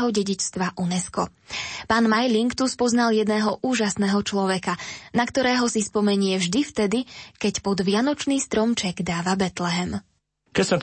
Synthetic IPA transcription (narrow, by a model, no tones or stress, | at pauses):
ɦɔɟɛɟit͡ʃst̪ʋaʔunɛskɔ | paːnmajliŋkt̪uspɔznaljɛd̪nɛːɦɔʔuːʒasnɛːɦɔt͡ʃlɔʋɛkanakt̪ɔɾɛːɦɔsispɔmɛɲɪɛvʒd̪ift̪ɛd̪ikɛcpɔd̪ʋɪanɔt͡ʃniːst̪ɾɔmt͡ʃɛɡd̪aːʋabɛt̪lɛɦɛm | kɛcsat